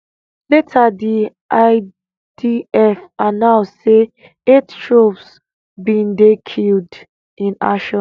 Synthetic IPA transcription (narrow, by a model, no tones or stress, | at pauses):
letʰadi | ʔaɪ | diɛfanãʊsːe | etʃops | bĩndekʰild | ĩna̰ʃɔ